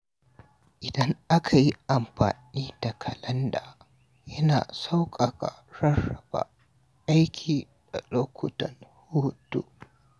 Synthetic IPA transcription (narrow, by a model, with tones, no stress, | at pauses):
ʔɪ˨dɐ˦ŋʔa˦kʰa˨ji˦ʔa˨mɸa̰ː˨niː˦da˨kʰɐ˨lɐ˦ndaː˨ | jɐ˦na̰ː˨sa˦wkʼa˨kʼa̰˨ɽɐ˦rɐ˨ba̰˨ | ʔa˦jkʲʰiː˨ | d̥a̰˨loː˦kʷʰʊ˦˨tɐ˨nhuː˦tṵ˦